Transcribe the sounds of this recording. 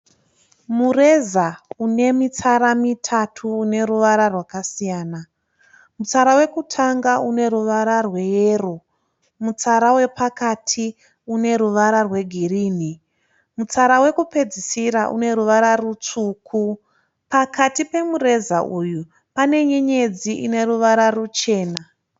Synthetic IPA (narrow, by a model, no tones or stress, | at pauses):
mure̞zaune̞mit͡saɾamitʰatʰuːne̞ruʋaɾarwakasijaːna | mut͡saɾawe̞kutʰaŋɡaune̞ɾuʋaɾarwe̞jeːro̞ | mut͡saɾawe̞pakatʰi | une̞ɾuʋaɾarwe̞ɡʱiriːni | mut͡saɾawe̞kupe̞d͡zisiɾaʔṵne̞ɾuʋaɾarut͡suːkʰu | pakatipe̞mure̞zaʔuju | pane̞ɲeɲe̞d͡ziʔḭne̞ruʋaɾarut͡ʃe̞ːna